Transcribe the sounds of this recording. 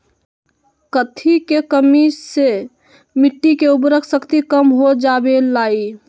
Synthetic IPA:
kət̪ʰikekəmise | mɪʈːikeub̬ɾəkʰsəkt̪ikəmɦod͡ʒabelai

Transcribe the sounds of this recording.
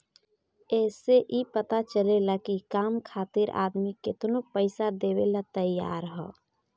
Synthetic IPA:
ɛːseʔipət̪at͡ʃəlelakikaːmkʰaːt̪ɪɾʔa̰ːd̪mikɪt̪nopəɪsad̪eːwelat̪əjːa̰ːɾɦɛ̰ː

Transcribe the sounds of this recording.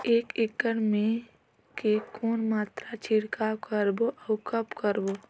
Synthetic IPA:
eːkɪkəɽmẽ | kekoːnmaːt̪ɾat͡ʃʰiɽkakəɾboʔaʊkəpkəɾbo

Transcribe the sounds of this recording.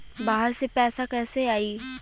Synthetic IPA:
baːɦəɾsepɛːsakɛːseaːiː

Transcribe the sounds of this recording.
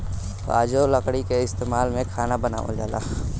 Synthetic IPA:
o̰a̰ːd͡ʒoləkɽikeɪst̪eːmaːlmẽkʰaːnabəna̰ːʋa̰d͡ʒaːla̰ː

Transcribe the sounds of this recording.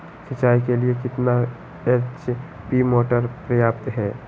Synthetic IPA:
sɐt͡ʃːaːikeliekɪt̪na | et͡ʃ | pimoːʈəɾpɾɐjaːpt̪ɦɛː

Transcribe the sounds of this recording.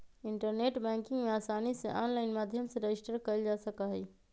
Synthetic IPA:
ɪ̃ɳʈəɾneːʈbɛ̃ːŋkɪ̃ŋɡmẽaːsaːnisḛʔaːnlaːɪnmaːd̪ʱjəmseɾed͡ʒɪsʈəɾkɐɾd͡ʒaːsɐkaɦɛː

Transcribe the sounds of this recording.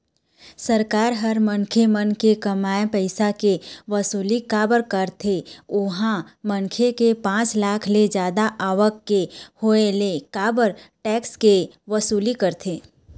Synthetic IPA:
səɾkaːɾɦɐɾmə̃nkʰemənkekɐmaːjpɛɪsakeʋɐsuːlikaːbəɾkəɾt̪ʰeʊɦãmə̃nkʰekepãːt͡ʃlaːkʰled͡ʒjaːd̪aʔaːʋəkːehoelekaːbəɾʈɛːkske | ʋəsuːlikəɾt̪ʰeː

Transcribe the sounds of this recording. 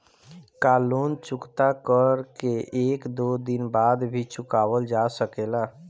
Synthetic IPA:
kaːluːnt͡ʃʊkt̪akəɾkeʔeːkd̪od̪ɪnbaːd̪bʱit͡ʃʊkaːwəld͡ʒasəkeːla

